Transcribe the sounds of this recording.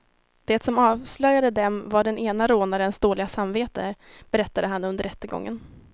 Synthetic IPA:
d̪̥ɛːt̪sɔmɑːvslœjːad̪əd̪ɛmvaɖɛneːnaɾoːnaɾɛnsd̪oːlɪɡasamveːt̪əb̥ɛɾɛt̪ːad̪əɦanɵnd̪əɾɛt̪ːəɡɔ̰ŋːə̰n

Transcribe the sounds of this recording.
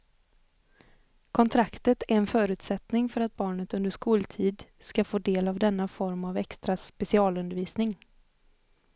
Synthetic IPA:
kʰɔnt̪ʰɾakt̪ət̪æɾɛnfœːɾʉ̟ːt̪sɛt̪nɪŋfœɾat̪̚bɑːɳət̪ɵnd̪əʂkuːlt̪ʰiːd̪skafoːd̪eːlavd̪ɛnːafɔɾmavɛkst̪ɾaspɛsɪɑːlɵnd̪əɾviːsnɪŋ

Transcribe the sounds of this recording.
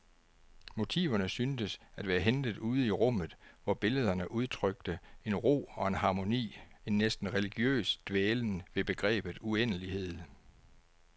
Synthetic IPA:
mo̝t͡sʰḭːʊɐnəsynsəsæd̥ʋæːɐɦend̥ð̞̩ˠuːð̞ˠiʁɔ̽m̰ð̩ˠʋɒb̥e̝ləð̞ˠɐnəʔuð̞ˠt͡sʰʁœɡ̥̚d̥əe̝nʁo̝̰ːɒ̽e̝nhɑ̈ːmo̝nḭːe̝nːesd̥n̩ʁɛliɡ̥jø̰ːsd̥ʋeːln̩ʋe̝b̥e̝ɡ̥ʁɛ̰ːb̥ð̩ˠuenəlihe̝ð̞̰ˠ

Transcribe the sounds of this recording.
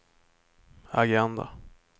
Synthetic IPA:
aɡɛnd̪a̰

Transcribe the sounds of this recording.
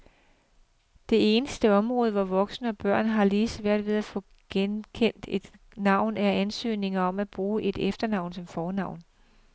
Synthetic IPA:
d̥e̝e̝ːnəsd̥əɒ̽mʁɔ̽ːð̞ˠəʋɒʋɒ̽ɡ̥snəɒ̽b̥ɶɐ̰nɦɑ̈liːsʋæɐ̰d̥ʋe̝ð̞ˠæfɔ̽ | ɡ̥enkʰen̰d̥e̝d̥ | nɑ̈ʊ̰næɐænsø̰ːne̝ŋɐɒ̽mæb̥ʁuːʔe̝d̥efd̥ɐnɑ̈ʊ̰nsɒ̽mfɒːnɑ̈ʊ̰n

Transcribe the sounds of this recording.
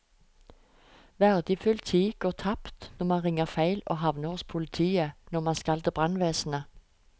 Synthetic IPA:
ʋæʁd̪ɪfʉlt̪ʰiːɡ̥oːʁt̪ʰɑpt̪nɔʁmɑnʁɪŋəʁfæɪlo̰ːɦɑʋnəspʰʊlɪt̪ʰiːənɔmɑnskɑld̪əbʁɑnʋeːsnə

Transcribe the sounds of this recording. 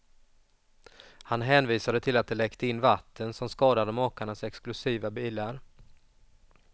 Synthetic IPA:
hanɦɛːnviːsad̪ət̪ʰɪlat̪̚d̪ɛlɛkt̪əɪnːvat̪ʰːənsɔmskɑːd̪ad̪əmɑːkaɳasɛksklɵsiːvabiːlaɾ

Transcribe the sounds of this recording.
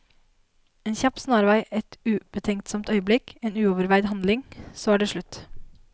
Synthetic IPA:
eːnçɑpsnɑːɾʋæɪʔɛt̪ʉːb̥ət̪ʰɛŋkt̪sɔmt̪œʏəblɪkeːnʉːoːʋəɾʋæɪd̪hɑnd̪lɪŋsoːæːɖeːʂɭʉt̪

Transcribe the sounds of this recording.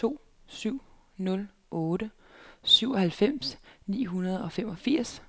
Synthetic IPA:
t͡sʰo̝̰ː | syʊ̰ | nɔ̽l | ʔɔ̽ːɾə | syʊ̰ɒ̽ɦælfem̰snḭːɦunɐð̞ˠɒ̽femɒ̽fiɐ̰s

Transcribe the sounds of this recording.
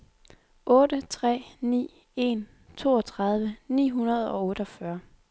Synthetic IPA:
ʔɔ̽ːdət͡sʰʁɛ̰ːnḭː | e̝n | t͡sʰo̝̰ːɒ̽t͡sʰʁɑ̈ð̞ˠʋənḭːɦunɐð̞̩ˠɒ̽ɔ̽ːɾ̥əɒ̽fɶɐ

